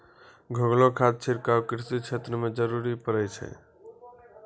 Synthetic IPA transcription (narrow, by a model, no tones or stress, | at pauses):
ɡʱəɡlokʰad̪̚t͡ʃʰiɾkawkɾisit͡ʃʰet̪ɾəmed͡ʒəɾuɾipəɾɛt͡ʃʰɛ̰